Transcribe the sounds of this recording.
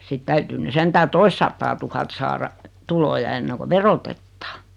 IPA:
sit tæytyː ny sentæː toistsɑtːɑːɑtuhɑt sɑːrɑ tulojɑ enːeŋko ʋerotetːɑ̥ː

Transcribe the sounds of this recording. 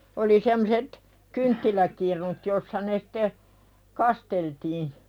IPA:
oli semːŏset kyntːilækirnut josːɑ ne sĭ̥te kɑsteltiː

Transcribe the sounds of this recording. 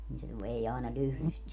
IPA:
niː se se ʋei ɑˑenɑ lyhly sit

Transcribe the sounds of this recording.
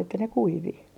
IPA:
etːæ ne kuiʋi

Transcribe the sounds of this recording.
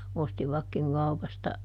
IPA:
ostiʋɑkːiŋ kɑupɑstɑ

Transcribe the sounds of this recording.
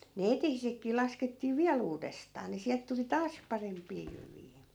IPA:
ne etehisekːiː lɑsketːiː ʋiæl uːdestɑː ni siælt tuli tɑːs pɑrempˑiː jyʋiː

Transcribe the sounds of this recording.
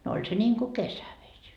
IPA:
no olʲ se nʲiːŋku kesæʋesʲ

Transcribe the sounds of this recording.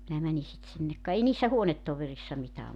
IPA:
minæ mæni sit sinːek kɑ ei niːsːæ huonetːoʋerisːɑ mitæː

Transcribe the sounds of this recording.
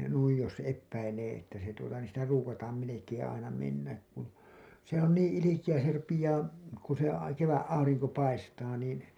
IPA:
jɑ nuij jos epːæileː etːæ se tuotɑ niːn̞ sitæ ruːkɑtɑːm melekeːẽ ɑinɑ menːæk kun se on niːĩ ilikijæ se rupijɑː ku se ɑ keʋæʔ ʔɑuriŋko pɑistɑː niːn̞

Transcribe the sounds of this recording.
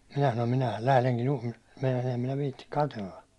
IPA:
minæ sɑnom minæhæl læhleŋkin juhli meinɑsin̞ em minæ ʋiːtːi kɑtelːɑ

